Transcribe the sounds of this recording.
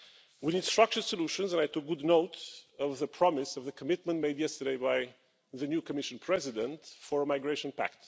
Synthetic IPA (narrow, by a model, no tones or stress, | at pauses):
winid̥stɹ̥ʌk̚t͡ʃə˞səluʃə̃nzə̃najtʊk̚ɡ̥ʊdnoʊtʌvðəpʰɹ̥ɑmɪsʌvðɨkʰəmɪt̚mə̃ntmeɪdjɛstə˞deɪbaɪ | ðɨnjukəmɪʃɨ̃npʰɹ̥ɛzɪdə̃ntfə˞əmaɪɡɹeɪʃɨ̃npæ̰k̚t